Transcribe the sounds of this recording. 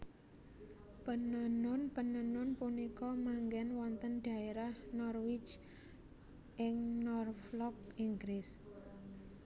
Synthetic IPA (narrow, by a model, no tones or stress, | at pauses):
pənənʊnpənənʊnpunikɔmaŋɡɛnwɔnt̪ənɖ̥a̤eɾahnɔrwɪt͡ʃ | ʔɪŋnɔrflɔk̚iŋɡɾɪs